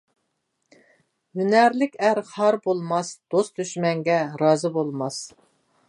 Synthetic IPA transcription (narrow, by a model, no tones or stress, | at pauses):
ynæɾlɪkʲæɾhɑɾbolˠmɑsd̪̥ost̪yʃmɛŋɡʲɛɾɑːzɨbolˠmɑs